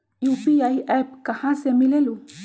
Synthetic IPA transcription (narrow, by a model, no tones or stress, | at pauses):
jupiajap̚kahãsemilelu